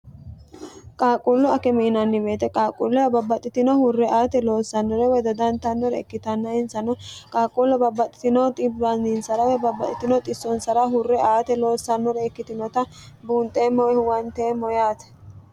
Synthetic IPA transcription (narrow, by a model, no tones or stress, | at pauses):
kʼaːkʼulːʊɐkɛmɪʔɪnɐnːɪbeːt̪ɛkʼaːkʼulːɛwɐbɐbːɐt̪ʼːɪt̪ɪnɔhʊrːɛʔaːt̪ɛlo̞ːsːɐnːɔɾɛwɛd̪ɐd̪ɐnt̪ɐnːɔɾɛɛkːɪt̪ɐnːɐɪnsɐnɔkʼaːkʼulːɛbɐbːɐt̪ʼːɪ̥t̪ɪnɔt̪ʼɪbɐnɪnsɐɾɐwɛbɐbːɐt̪ʼɪt̪ɪnɔt̪ʼɪsːɔnsɐɾɐɦʊrːɛʔaːt̪ɛlo̞ːsːɐnːɔɾɛɛkːɪt̪ɪnɔt̪ɐbuːnt̪ʼeːmːɔwɛhwɐnt̪eːmːɔjaːt̪ɛ̥